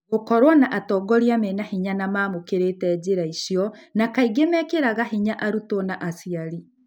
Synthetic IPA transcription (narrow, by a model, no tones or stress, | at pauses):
ɣokɔɾwɔnaʔatɔːɡɔɾjamenahiɲanamaːmokeɾetɛːd͡ʑeɾaiʃjɔnakaiɡemɛkeɾaɣaɦiɲaʔaɾutɔnaʔasiaɾi